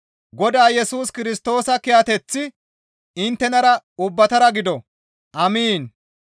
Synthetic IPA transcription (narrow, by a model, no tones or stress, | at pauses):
ɡɔd̪aːjɛsuːskɪɾɪst̪o̞ːsɐkɪjat̪ɛt͡sːɪ | ɪnt̪ːɛnɐɾɐʊbːɐt̪ɐɾɐɡɪd̪ɔ | ʔɐmiːn